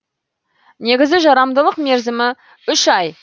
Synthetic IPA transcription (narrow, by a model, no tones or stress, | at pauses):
ne̞ɡʲɪzɪʒɑɾɑmd̪əlˠəqme̞ɾzɪmɪ | ʏʃɑj